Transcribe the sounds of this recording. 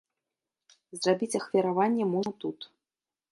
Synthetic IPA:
zrabʲit͡sʲɐxvʲiɾavanʲːɛmɔʐɐt̪ut̪

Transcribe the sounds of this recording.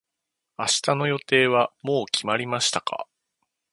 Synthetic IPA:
aɕi̥t̪ano̞jo̞t̪e̞ːβ̞amo̞ːkʲʰimaɾʲimaɕi̥t̪akʰa̰

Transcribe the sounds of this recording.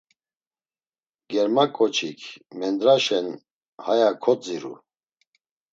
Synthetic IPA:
ɡɛɾmakʼɔt͡ʃʰikʰmɛnd̪ɾaʃɛn | hajakʰɔt͡sʼiɾṵ

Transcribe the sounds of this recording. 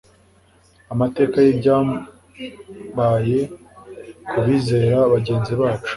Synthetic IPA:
amate̞ːkajibɟaːm | baje̞ | kʰuβiːze̞ːɾaβaɟe̞ːnziβaːt͡ʃu̥

